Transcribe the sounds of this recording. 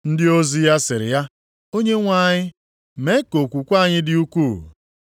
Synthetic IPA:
n̩˦dɪ˦o˦zi˦ja˦sɪ˨ɾɪ̰˨ja˦ | o˦ɲe˦ŋʷa˦˨ɲɪ˦ | me˦ko˨kʷu˨kʷa˦˨ɲɪ˦dɪ˦u˦kʷu˦˨

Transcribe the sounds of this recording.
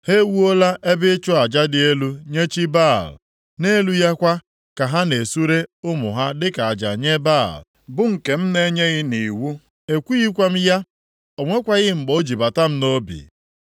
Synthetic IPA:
he˦wu˦o˦la˦ʔe˦bɪ˦t͡ʃʊ˦a˨d͡ʒa˦dɪ˨e˦lu˦ɲe˦t͡ʃi˦ba˦˨l | ne˦lu˦ja˦kʷa˦ | ka˨ɦa˦ne˨su˦ɾe˦ʊ˦mʊ̰˨ɦa˦dɪ˦ka˨a˨d͡ʒa̰˨ɲe˦ba˦˨l | bʊ˦ŋ̩˨ke˨m̩˦ne˦ɲe˦ɣɪ˦ni˨wu˦ | e˨kʷu˦ɣi˦kʷa˦m̩˦ja˦ | o˨ŋʷe˦kʷa˦ɣɪ˦ŋ͡m̩˨ɡ͡bo˨˦d͡ʒi˨ba˨ta˦m̩˦no˦bḭ˨

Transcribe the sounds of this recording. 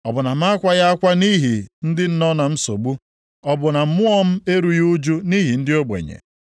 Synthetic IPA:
ɔ˨bʊ˨na˨m̩˦a˦kʷa˦ja˦a˦kʷa˦ni˦ɦi˨n̩˦dɪ˦n̩˦nɔ˦na˨m̩˦so̰˨ɡ͡bu˦ | ɔ˦bʊ˨na˨m̩˦mʊ˦ɔ˦m̩˦e˦ɾu˦ju˦d͡ʒu˦ni˦ɦi˨n̩˦dɪ˦o˦ɡ͡bḛ˨ɲḛ˨

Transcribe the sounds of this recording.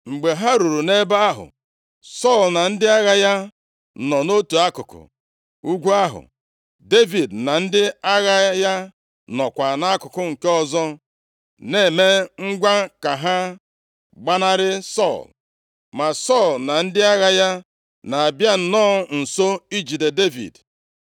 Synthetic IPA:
ŋ͡m̩˨ɡ͡be˨ɦa˦ɾu˨ɾu˨ne˦ba˦a˦ɦʊ̰˨ | sɔ˦˨lna˨n̩˦dɪ˦a˦ɣa˦ja˦ | nɔ˨no˦tu˨a˦kʊ˨kʊ̰˨ | u˦ɡʷu˦a˦ɦʊ̰˨ | de˦vi˨dna˨n̩˦dɪ˦a˦ɣa˦ja˦ | nɔ˨kʷa˨na˦a˦kʊ˨kʊ˦ŋ̩˨ke˦ɔ˦zɔ˦ | ne˦˨me˦ŋ̩˦ɡʷa˦ka˨ɦa˦ | ɡ͡ba˦na˦ɾɪ˦sɔ̰˦˨l | ma˨sɔ˦˨lna˨n̩˦dɪ˦a˦ɣa˦ja˦ | na˨a˨bja˦n̩˨nɔː˦˨˦n̩˨so˦i˦d͡ʒi˨de˨de˦vḭ˨d

